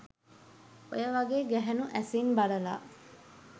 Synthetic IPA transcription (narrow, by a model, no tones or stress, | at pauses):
o̰jəʋɐɡeːɡæɦenuʔæsinbɐlɐla̰ː